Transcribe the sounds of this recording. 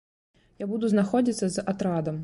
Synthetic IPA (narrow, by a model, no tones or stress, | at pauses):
jabud̪uznaxɔd͡zʲit̪sːɐzat̪ɾad̪ɐm